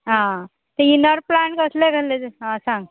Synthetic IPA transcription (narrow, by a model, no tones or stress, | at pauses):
ɦã | t̪einəɾplaɳʈkəsleɡʱəled͡zeɦãsãŋɡ